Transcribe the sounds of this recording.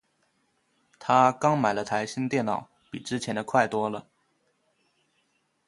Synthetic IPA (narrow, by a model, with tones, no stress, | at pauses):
t̪ʰa˥kɑ˥ŋma˨˩ɪlə˦t̪ʰa˧˥ɪɕi˥nt̪jɛ˥˩nnɑ˨˩˦ʊpi˨˩ʈ͡ʂɻ̩˥t͡ɕʰjɛ˧˥nd̪ə˧kʰwa˥˩ɪt̪wɔ˥lə˨